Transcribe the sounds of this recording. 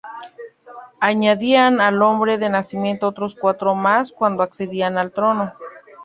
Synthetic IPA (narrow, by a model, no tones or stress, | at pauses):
aɲaðianalombɾeðenasimje̞nt̪oot̪ɾoskwat̪ɾomaskwand̪oakseðianalt̪ɾono